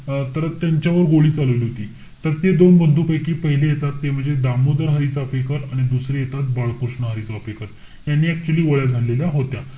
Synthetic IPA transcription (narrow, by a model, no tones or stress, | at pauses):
t̪əɾt̪ːjaɲt͡ɕjaʋəɾɡoɭiːt͡saluʋliːɦot̪iː | t̪əɾt̪ed̪onbənd̪ʱuːpajkiːpəɦilejet̪at̪ːem̤əɳd͡zed̪amud̪əɾɦəɾit͡saəpekəɾaɽ̃id̪usɾijet̪at̪̚baɭkuɾʂɳəɦəɾit͡sapekəɾ | janːiːæk̚t͡ɕuəliːʋəɭjad͡zʱaleljaɦot̪ja